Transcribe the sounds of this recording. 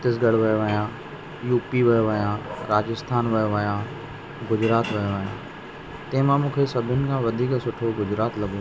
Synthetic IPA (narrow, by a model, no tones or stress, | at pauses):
t̪ɪsɡɐɽ̤ʋɐjoʋɐjãː | juːpiʋɐjʋɐjãːɾaːd͡ʒɪst̪ʰaːnʋɐjoʋɐjãː | ɡʊd͡ʒɾaːt̪ʋɐjoʋɐjã̰ː | t̪ẽːmãːmũːkʰesɐbʱɪnɪ̆kʰãːʋɐd̪ʱiːksʊʈʰoɡʊd͡ʒɾaːt̪lɐɡoː